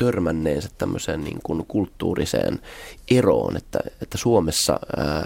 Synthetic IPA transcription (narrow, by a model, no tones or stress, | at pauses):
t̪ørmænːeːnsæt̪tæmːøseːnniːŋkunkult̪ːuːrisḛːnʔero̰ːnet̪ːæet̪ːæsuomesːɑ